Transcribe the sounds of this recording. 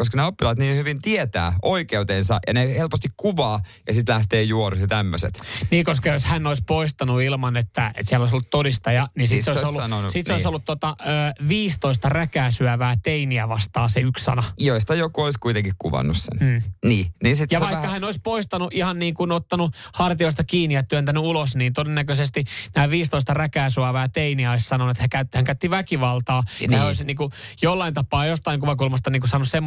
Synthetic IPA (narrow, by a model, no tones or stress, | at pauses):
koskɑneopːilɑt̪niːnhyʋint̪iet̪æ̰ːʔoikeut̪ensɑ̰ʔjɑ̰nehelpost̪ikkuʋɑːjɑsit̪læht̪eːjuorusjɑt̪æmːøsḛt̪niːkoskɑjoshænːoispoist̪ɑnuilmɑnet̪ːæḛt̪siælːoisolːut̪t̪odist̪ɑjɑnisiseoˑiolːunonsit̪seoisolːut̪t̪ːot̪ɑøːʋiːst̪oist̪ɑrækæːsyæʋæːt̪einiæʋɑst̪ɑːseykssɑ̰nɑjoist̪ɑjokuoiskuit̪eŋkikkuʋɑ̰nːussḛn̩ːniːniːsit̪jɑɑikːɑhænoispoist̪ɑnuʔihɑnniːŋkunot̪ːɑnuhɑrt̪ioist̪ɑkiːniɑt̪yænt̪ænyulosniːnt̪odenːækøsest̪inæːʋiːst̪oist̪ɑrækæːsuæʋæːt̪einiæoissɑnonuet̪hækæyt̪ːhæŋkæyt̪ːiʋækiʋɑlt̪ɑːnoisniːŋkujolːɑint̪ɑpɑːjost̪ɑiŋkuʋɑkulmɑst̪ɑniːkusɑːnussemː